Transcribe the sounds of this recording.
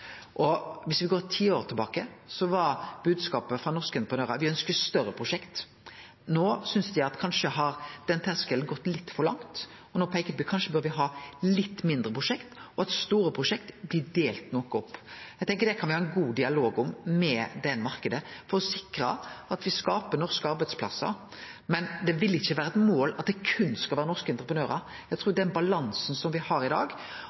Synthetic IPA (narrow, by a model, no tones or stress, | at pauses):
ʔɔʋɪsʋɪɡoːɾt̪ʰiːoːɾt̪ʰɪlbɑːkəsɔʋɑɾb̥ʉːd̪skɑːpəfʁɑnɔɾskəɪnt̪əpʁənøːɾɑʋɪœnskəst̪œɾːəpʰɾʊʂɛkt̪ | noːsʏnsd̪ɪɑt̪kʰɑnʂəɦɑɾd̪̥ɛnt̪ʰæskəln̩ɡɔt̪ːlɪt̪ːfɔɾlɑ̰ŋt̪ | ɔnoːpʰɔæɪkət̪̚byːkʰɑnʂəbœɾʋɪɦɑːlɪt̪ːmɪnd̪ɾəpʰʁʊʂɛkt̪ɔɑt̪st̪uːɾəpʰɾʊʂɛkt̪blɪd̪eːlt̪nɔkːɔpːæɪɡt̪ɛŋkəd̪ɛkʰɑnʋɪhɑːɛnɡuːd̪ɪɑloːɡʊmmɛd̪ɛnːmɑɾkəd̪əfɔɾɔsɪkɾɑ̰ɑt̪ʋɪskɑːpəɾnɔɾskəɑɾbæɪspʰlɑ̰sːɑ̰ɾ | mɛnd̪ɛʋɪlːɪçːəʋæːɾəɛt̪moːlɑt̪̚d̪ɛkʰʉnskɑlʋæːɾənɔʁskəɪnt̪ɾəpɾənøːɾɑ̰ɾ | jæt̪ʰɾuːd̪ɛnbɑlɑnsnsɔmʋɪhɑɾɪd̪ɑ̰ːɡ